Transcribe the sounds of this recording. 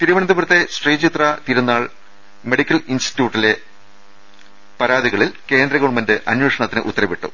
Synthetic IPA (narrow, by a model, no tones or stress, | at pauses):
t̪iɾuʋɐɳɐnd̪ɐbuɾt̪ːe̞sʈrejːt͡ɕit̪rɐt̪iɾunːaːɭ | me̞ɽikʲːɐlinsti̥tːjuːʈːile̞ | pɐɾaːðiɣɐɭilke̞ːnd̪ɾɐɣoɳmendɨʔɐnweːʂɐɳɐt̪ːinɨʔṵt̪ːɐrɐʋiʈːṵ